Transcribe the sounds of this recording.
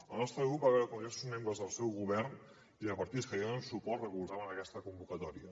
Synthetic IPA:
əlˠnɔst̪ɾəɣɾup̚baβɛɾəkuŋɡɾesuzmẽmbɾəzðəlˠsɛwɣuβɛrn | iðəpəɾt̪it̪skəjeunsupɔt̪rəkulˠzaβənəkɛst̪əkumbukət̪ɔɾiə

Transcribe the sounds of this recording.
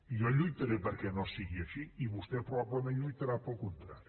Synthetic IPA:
ioʎujt̪ɐɾepɐɾkɛnɔ̃siɣiɐʃiiβost̪ɛpɾoβaβlemẽnlujt̪ɐɾapolkõnt̪ɾaɾju

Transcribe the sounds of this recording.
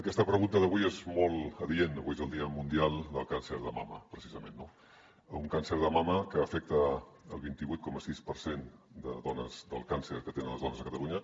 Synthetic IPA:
əkɛst̪əpɾəɣunt̪əðəβuiezmɔlˠəðienəβuiezəlˠd̪iəmund̪ialˠd̪əlˠkansəɾðəma̰mə̰pɾəsizəmḛnːo | uŋkansəɾðəmaməkəːfɛk̚t̪əː | lˠβint̪iβuijt̪kɔməsispəɾsend̪ə̰ðɔnə̰zd̪ə̰lˠkansə̰ɾkət̪enənləzðɔnəzðəkət̪əluɲə

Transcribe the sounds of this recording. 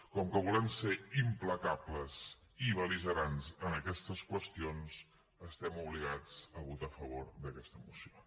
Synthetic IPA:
kɔŋkəβulənseimpləkapləz | iβəlizəɾanzənəkɛst̪əskwəst̪ions | əst̪ɛmuβliɣad͡zəβut̪afəβoɾd̪əkɛst̪əmusio

